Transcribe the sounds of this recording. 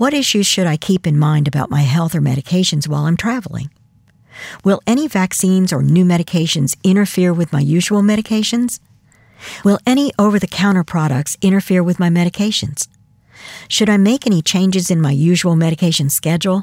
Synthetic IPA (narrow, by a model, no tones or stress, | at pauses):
wʌɾɪʃʉz̥ʃɨɾaɪkʰipɨ̃nmãɪ̃ndɨbaʊt̚maɪɦɛlˠθə˞mɛ̰ɾɨkʰeɪʃɨ̃nzwaɪlˠãɪ̃mtʰɹ̥ævl̩ˠɪ̰̃ŋ | wɪlˠɛɾ̃ivæksĩnzə̰˞nʉmɛɾɨkʰeɪʃɨ̃nzɪ̃ɾ̃ə˞fɪɹwɨðmaɪjʉʒəwl̩ˠmɛɾɨkʰeɪʃɨ̃nz̥ | wɪlˠɛɾ̃iʔoʊvə˞ðɨkʰãʊ̃ɾ̃ə˞pʰɹ̥ɑɾə̰k̚tsɪ̃ɾ̃ə˞fɪɹwɨðmaɪmɛɾɨkʰeɪʃɨ̰̃nz̥ | ʃɨɾaɪmeɪkɛñit͡ʃʰẽɪ̃nd͡ʒɨzɨ̃nmaɪjʉʒəl̩ˠmɛɾɨkʰeɪʃɨ̃nskɛd͡ʒl̩ˠ